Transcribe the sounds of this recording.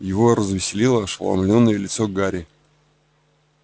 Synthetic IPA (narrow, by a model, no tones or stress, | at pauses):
jɪvo̞rəzvʲɪsʲɪlʲilˠəʂlˠɐ̰mlʲo̞nːəjəlʲɪt̪soɡaɾʲɪ